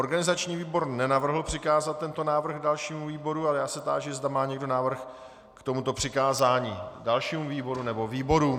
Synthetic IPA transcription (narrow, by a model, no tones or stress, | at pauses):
ʔo̞ɾɡanɪzat͡ʃɲiːviːbo̞ɾnɛnavr̩ɦl̩pr̥ɪkaːzat̪̚ːɛnt̪o̞naːvr̩ɣdalʃiːmuviːbo̞ɾualɛjaːsɛt̪a̰ːʒɪzdamaːɲɛɡdo̞naːvr̩x | kt̪o̞mut̪o̞pr̝̥ɪkaːzaːɲiːdalʃiːmuviːbo̞ɾunɛbo̞viːbo̞ɾu